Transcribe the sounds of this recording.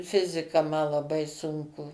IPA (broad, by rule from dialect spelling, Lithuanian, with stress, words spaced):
ˈfʲɪzʲɪkɐ mɐ lˠɐˈbɐɪ ˈsʊŋkʊ